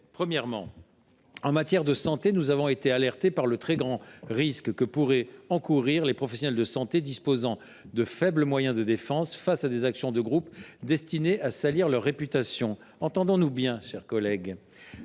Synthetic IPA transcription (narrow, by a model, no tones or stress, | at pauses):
pχəmjɛʁmɑ̰̃ | ɑ̃mat̪jɛʁd̪əsɑ̃t̪enuzavɔ̃et̪ealɛʁt̪epaʁlət̪χɛɡʁɑ̃ʁiskkəpuʁɛɑ̃kuʁiʁlepχɔfɛsjɔnɛld̪əsɑ̃t̪ed̪ispozɑ̃ | d̪əfɛbləmwajɛ̃d̪əd̪efɑ̃sfasad̪ezaksjɔ̃d̪əɡʁupd̪ɛst̪ineʔasaliʁlœʁːepyt̪asjɔ̃ | ɑ̃t̪ɑ̃d̪ɔ̃nubjɛ̃ʃɛʁkɔlɛɡ